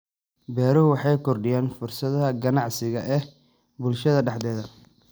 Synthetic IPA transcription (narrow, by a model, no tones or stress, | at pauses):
bɛːɾɔwɑħɑjkʰɔrɖɪjaːnfʊrsɐðɐɐɡɐnɑʕsɪɣɐʔɛ | bʊlʃɐðɐɖɑħd̪ɛːðɐ